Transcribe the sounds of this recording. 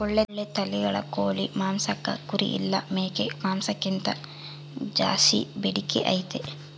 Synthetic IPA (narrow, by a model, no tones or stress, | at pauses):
ɔɭːeːet̪ɐliɡɐɭɐ̰koːɭimaːmsɐkːɐ̰kuɾḭʔḭlːɐmeːkemaːmsɐkːint̪ɐ | d͡ʒa̰ːsḭbeɽikːeʔɐ̰jit̪e